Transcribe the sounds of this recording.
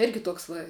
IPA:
ˈɪrʲɡʲɪ ˈtuɔks ʋɐ

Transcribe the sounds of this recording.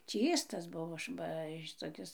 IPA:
ˈt͡ʃʲiːstɐs ˈbʊʋoː ˈbɐ ʃʲɪtoːˈkʲɪs

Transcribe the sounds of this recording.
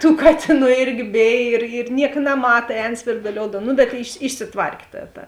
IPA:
tuː ˈkɑːtʲeːˌnuː ˈɪrʲɡʲɪ ˈbʲeːj ɪr ɪr ˈnʲiɛk nɐˈmɑːtɐ ˈɛːn sʲʋʲɪrdʊˈlʲoːʊdɐm nʊ bʲɛt ɪʃʲsʲɪ ɪʃʲsʲɪˈtʋɐrʲkʲ ˈtɐ tɐ

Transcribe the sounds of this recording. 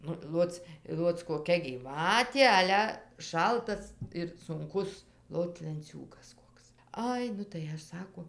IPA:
ˈnʊ ˈlˠoːt͡s ˈlˠoːt͡s koːˈkʲɛ ɡʲiːˈʋɑːtʲeː ˈɑːlʲɛ ˈʃɐlˠtɐs ɪr sʊŋˈkʊs ˈlˠoːt lʲɛnʲˈt͡sʲuːɡɐs ˈkoːks ˈɐɪ nʊ tɐɪ ˈɐʃ ˈsɑːkoː

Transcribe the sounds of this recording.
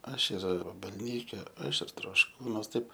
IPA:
ˈɐʃ ɪr ʋɐbɐlʲˈnʲiːkʲɛ ˈɐʃ ɪr troːʃˈkuːnuɔs ˈtɐɪp

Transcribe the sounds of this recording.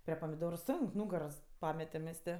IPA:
pʲrʲiɛ pɐmʲɪˈdoːrʊ ˈsoːŋk ˈnuːɡɐroːs ˈpɑːmʲɛtʲɛm mʲɛs ˈtʲeː

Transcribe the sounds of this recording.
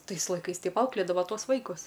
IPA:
ˈtɐɪs lˠɐɪˈkɐɪs ˈtʲɛɪp ˈɐʊklʲeːdɐʋɐ ˈtuɔs ˈʋɐɪkʊs

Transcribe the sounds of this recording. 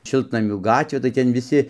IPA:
ˈʃʲɪlˠtnɐmʲuː ˈɡɑːtʲʋʲeː tɐɪ ˈtʲɛn ʋʲɪˈsʲɪ

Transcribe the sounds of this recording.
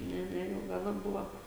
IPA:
ˈnʲɛ ˈnʲɛ jɛʊ ˈɡɑːnɐ ˈbʊʋɐ

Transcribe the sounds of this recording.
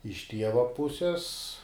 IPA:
ɪʃ ˈtʲiɛʋɐ ˈpʊsʲɛs

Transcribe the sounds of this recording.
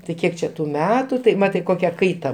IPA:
tɐɪ ˈkʲiɛk t͡ʃʲɛ tʊ ˈmʲæːtʊ tɐɪ ˈmɑːtɐɪ ˈkoːkʲɛ ˈkɐɪtɐ

